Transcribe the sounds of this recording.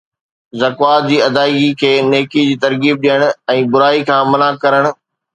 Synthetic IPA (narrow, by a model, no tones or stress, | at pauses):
zɐkwaːt̪̚d͡ʑiːɐd̪aːiɡikʰeːneːkid͡ʑiːt̪ɐɾɡiːb̚ɗijəɽ̃ʊ̆ɛ̃ːbʊɾaːikʰãːmɐnaːkɐɾəɽ̃ʊ̆